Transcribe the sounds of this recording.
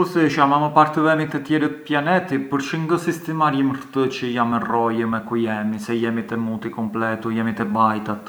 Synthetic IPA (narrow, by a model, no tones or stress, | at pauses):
usɛʃamaməpaɾt̪əvɛmit̪ət̪jɛɾət̪pjanɛt̪ipəɾʃəŋɡəsist̪ɛmaɾiməɾət̪ət͡ʃəjamɛrɔjəmɛkujɛmisɛjɛmit̪ɛmut̪ikɔmplɛt̪ujɛmit̪ɛbajt̪at̪